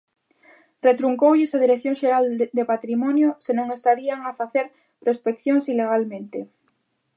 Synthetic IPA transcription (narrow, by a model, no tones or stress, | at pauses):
ret̪ɾuŋkowʎesaðiɾekθjoŋʃeɾald̪epat̪ɾimɔnjosenõŋest̪aɾiaŋafaθeɾ | pɾospekθjoŋsileɣ̞almẽnt̪e